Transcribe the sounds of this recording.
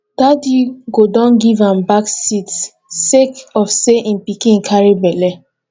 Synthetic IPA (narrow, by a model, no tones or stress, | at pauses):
d̥adiɡodɔ̃nɡivãmbaksit | sekɔfseʔĩnpikĩŋkʰaɹebɛlɛ